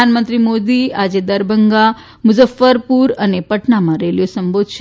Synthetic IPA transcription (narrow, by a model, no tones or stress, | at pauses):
anmə̃nt̪ɾimod̪iad͡ʒed̪əɾbəŋɡa | mʊzəfːəɾpuɾənepəʈnamãɾeljosəmbod̪ʱʃ